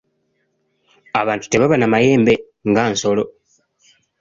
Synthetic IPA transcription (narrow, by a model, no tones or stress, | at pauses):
aβaːntu̥te̞βaβanamaje̞ːmbe̞ | ŋɡaːnso̞lo̞